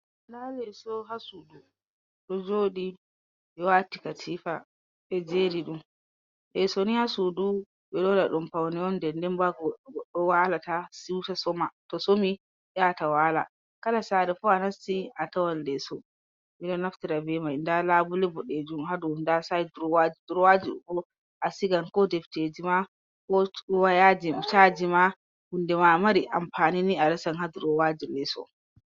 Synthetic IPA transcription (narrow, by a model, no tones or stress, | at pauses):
ndalɛsɔɦasudu | ɗɔd͡ʒoːɗi | ɓɛwatikatʰifa | ɓɛd͡ʒeːɾiɗum | ɓɛsɔnihasudu | ɓɛɗɔlaɗumpawnɛɔndɛndɛmbaɡɔɗɡɔɗːɔwalatasiwtasɔmatɔsomi | ɗɛatawaːla̰ | kalasaːɾɛfɔanastiʔatawandɛsɔ | milɔnaftiɾabɛmajndalaːbulɛbɔɗed͡ʒumhadɔndasadɾɔwad͡ʒiduɾɔwad͡ʒiɗṵɗɔ | ʔasiɡankɔdɛfted͡ʒima | kɔɗɔwajad͡ʒimt͡ʃaːd͡ʒima | hundɛmamaɾiʔa̰mfaːniniaɾɛsanhaduɾɔwad͡ʒilɛsɔ̰